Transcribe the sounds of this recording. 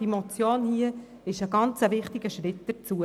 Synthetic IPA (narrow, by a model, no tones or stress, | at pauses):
imɔt͡sjoːnhiə | ɪʃəɡ̥ɑnt͡səʋɪχtɪɡ̥əʃɾɪt̚d̥əɾt͡suə